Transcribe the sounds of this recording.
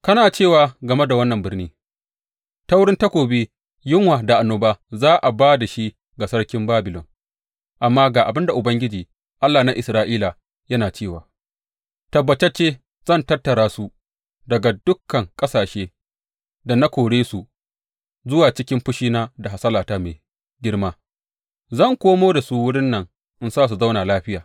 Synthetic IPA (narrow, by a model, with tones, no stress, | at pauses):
kɐ˦naː˨t͡ʃeː˦˨waː˨ɡɐ˨me˦da˨wɐ˦nːɐ˨mbɪ˦ɽniː˦ | ta˦wʊ˦ɽɪ˦nta˦kʷoː˨beː˦ | jɪ˦ŋwaː˨da˨ʔa˨nːoː˨baː˦zaː˦ʔa˨baː˦da˨ʃi˦ | ɡa˨sɐ˦ɽkʲɪ˦mbaː˦bɪ˨lɔ̰˨n | ʔa˨mːaː˦ɡaː˨ʔa˨bɪ˦nda˨ʔʊ˨bɐ˦ŋɡʲɪ˦d͡ʒiː˨ | ʔa˦lːaː˨na˦ʔɪ˨sɾaː˦ʔiː˦la˨ | jɐ˦naː˨t͡ʃeː˦˨waː˨ | tɐ˨bːɐ˨t͡ʃe˦t͡ʃeː˦ | z̥ɐ˦˨ntɐ˦rtːɐ˨ɾaː˦su˨ | dɐ˨ɡa˨dʊ˦kːɐ˨ŋkʼɐ˦saː˨ʃeː˦ | da˨na˦kʷoː˨ɽeː˦su˨ | zʊ˦waː˨t͡ʃɪ˦kʲɪ˦mɸʊ˦ʃiː˦naː˦da˨ɦa˨sɐ˦laː˨taː˦meː˨ | ɡʲɪ˦ɽmaː˦ | zɐ˦˨ŋkʷoː˦moː˦da˨su˦wʊ˦ɽɪ˦nːɐ˨ŋ | ʔɪ˦nsaː˦s̬u˨za˦wnaː˨laː˦ɸɪ˦jaː˨